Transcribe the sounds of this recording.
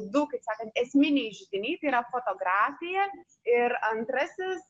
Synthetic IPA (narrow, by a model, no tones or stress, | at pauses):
d̪ʊkɐɪpsɑːkɐnt̪ɛsʲmʲɪnʲɛɪʒʲʊd̪ʲɪnʲɛɪt̪ɐiɾɐfoːt̪oɡɾɑːfʲɪjɛ | ɪɾɐnt̪ɾɐsʲɪs